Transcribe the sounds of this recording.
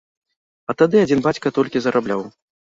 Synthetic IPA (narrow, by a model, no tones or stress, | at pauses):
ɐt̪ad̪ɨad͡zʲinbat͡sʲkɐt̪ɔlʲkʲizɐɾʔablʲaw